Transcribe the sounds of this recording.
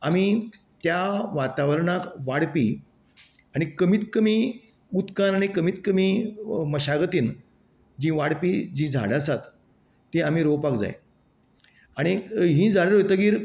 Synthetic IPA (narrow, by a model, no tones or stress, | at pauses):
ami | t̪jaʋat̪aʋəɾɳakʋaɽpi | aɽ̃ikəmiːt̪kəmiː | ut̪kanaɽ̃ikəmit̪kəmiːməɕaɡət̪iːn | d͡ʑĩʋaɽpiːd͡ʑĩd͡zʱa̰ɽasat̪ː | eam̤iɾopakd͡za̰j | aɽ̃iɦĩːd͡zʱaɽəɾɦot̪əɡiːɾ